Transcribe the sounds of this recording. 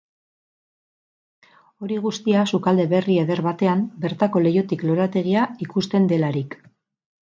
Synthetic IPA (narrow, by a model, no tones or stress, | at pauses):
o̞ɾiɣ̞ust̪iasukald̪e̞βe̞rie̞ðe̞ɾβat̪e̞ambe̞ɾt̪ako̞le̞jo̞t̪iklo̞ɾat̪e̞ɣ̞iaikust̪e̞nd̪e̞laɾik